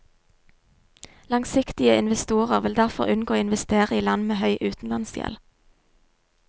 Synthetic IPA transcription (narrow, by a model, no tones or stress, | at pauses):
lɑŋsɪkt̪ɪəɪnʋɛst̪uːʁəʁʋɪld̪æʁfɔ̰ʁʉnɡoːɪnʋɛst̪eːʁəiːlɑnmeːhœʏʔʉːt̪n̩lɑnsjɛ̰l